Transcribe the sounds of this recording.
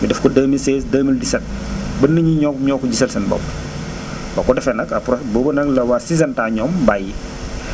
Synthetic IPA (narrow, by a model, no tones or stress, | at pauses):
midɛfkɔdəmilsɛːsdəmildisɛt̚ | bɐnːəɲiɲɔɲɔːkuɟisɛlsɐnbɔ̰b | bɐkɔdɛfɛnɐkɐpɾɔbɔːbənɐklɐwasizɐntaɲɔːmbaji